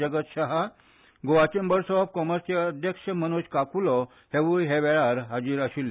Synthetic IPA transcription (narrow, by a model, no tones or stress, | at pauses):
əɡət̪ɕaɦa | ɡoʋat͡ɕembəɾsɔɔb̚kɔməɾst͡ɕeəd̪ʱjəkɕəmənuɕkakulɔ | heʋujɦeʋɛɭaɾɦad͡ʑiːɾaɕilːe